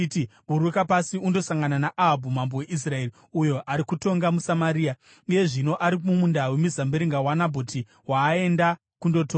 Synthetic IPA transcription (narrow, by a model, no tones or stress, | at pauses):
tiɓuɾukapasiundo̞saŋɡananaʔaɦabʱumambowe̞ʔis̬rae̞ri | ujo̞ʔaɾikuto̞ŋɡamusamaɾiːa | uje̞ʐino̞ʔaɾimumundawe̞mizambeɾiŋɡawanabʱoti | waːe̞nda | kundo̞toː